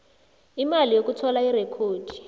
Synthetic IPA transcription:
imalijok̬utʰɔlairɛkʰoːd̥ʱi̥

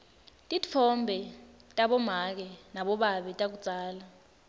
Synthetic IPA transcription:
tʼifʰɔmbʱɛtʼaɓɔmak̬ɛnaɓɔɓaɓɛtʼak̬ud̥t͡sʼaːla

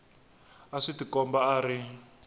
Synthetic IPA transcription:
aʂitikɔmbaaːɾi

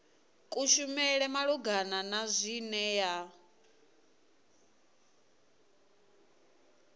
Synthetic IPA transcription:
kʼuʃumɛɺɛmaɺuɡananazʷinɛja

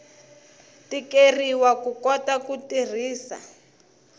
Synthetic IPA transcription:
tikeriwakukɔtakutir̤iːsa̰

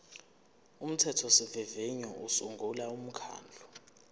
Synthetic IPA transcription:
um̩tʰɛtʰɔsivɛveɲɔʔusuŋɡʱulaum̩kʰa̰ːnd͡ɮʱu

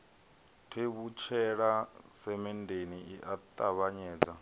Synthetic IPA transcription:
tʰeβut͡ʃʰɛɺasɛmɛndeniiʔat̪ʼaβaɲɛːd͡za

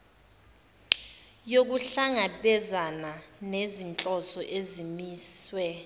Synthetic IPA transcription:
jok̬uɬaŋaɓɛzananezint͡ɬʼɔsɔʔezimiːswɛ

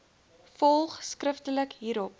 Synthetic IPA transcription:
fɔlˠχskrəftələkɦiːɾɔp̚

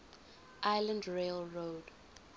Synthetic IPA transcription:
ʔaɪlə̃ndɹelɹoːd

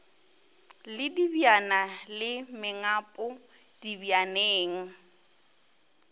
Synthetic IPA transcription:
lɪdibjanalɪmɪŋapʼʊ | d̥ibjaneːŋ̩

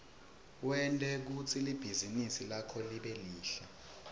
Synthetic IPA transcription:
wɛntʼɛk̬ut͡sʰilib̥ʱizinisilakʰɔliɓeliːɬa

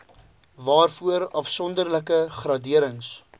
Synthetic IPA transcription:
vɑːrfuəɾɐfsɔndərləkəχrɑdiəɾəŋs

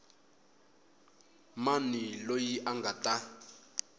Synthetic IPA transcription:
manilojiʔaŋɡatʼa

